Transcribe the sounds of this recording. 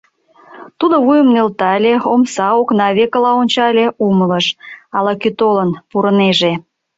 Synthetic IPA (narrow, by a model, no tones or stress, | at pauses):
t̪ud̪oβujəmnelt̪ɑlʲeomsɑoknɑβekəlɑonʲt͡ɕɑlʲeumələʃɑlɑkyt̪olənpuɾəneʒe